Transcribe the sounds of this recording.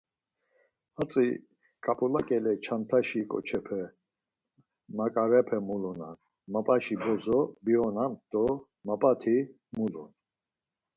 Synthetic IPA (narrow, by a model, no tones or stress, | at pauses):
hat͡sʼi | kʼapʼulakʼɛlɛt͡ʃʰant̪ʰaʃikʼɔ̰t͡ʃʰɛpʰɛ | makʼaɾɛpʰɛmulɔna̰n | mapʼaʃibɔzɔbiɔnamt̪ʼɔ | mapʼat̪ʰi | mulṵn